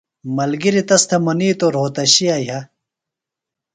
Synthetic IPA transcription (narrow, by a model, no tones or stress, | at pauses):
mɐlɡiɾit̪ɐst̪ʰɐmɐniːt̪oɾoːt̪ɐɕijaːjɦɐ